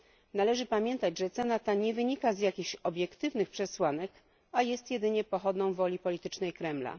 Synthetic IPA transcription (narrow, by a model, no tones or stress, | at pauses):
nalɛʐɘpamʲjɛnt̪ad͡ʑʐɛt̪sɛnat̪aɲɛvɘɲikazjakʲiɕɔbʲjɛkt̪ɘvnɘxpʂɛswanɛk | ajɛst̪jɛd̪ɘɲɛpɔxɔd̪nɔ̃w̃vɔlʲipɔlʲit̪ɘt͡ʂnɛjkɾɛmla̰